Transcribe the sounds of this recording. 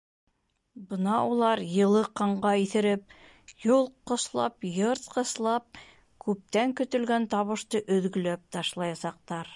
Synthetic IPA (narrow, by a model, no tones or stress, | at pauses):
bɤ̆nɑulˠɑɾjɤ̆lˠɤqɑɴʁɑiθɘ̆ɾɘp̚ | jolˠqŏslˠɑ̰pjɤɾt̪̚qɤ̆slˠɑp̚ | kʉp̚t̪æŋkɵ̆t̪ɵ̆lɡænt̪ɑβɤ̆ʃt̪ɤʔɵ̆ðɡɵ̆læp̚t̪ɑʃlˠɑjɑsɑq̚t̪ɑɾ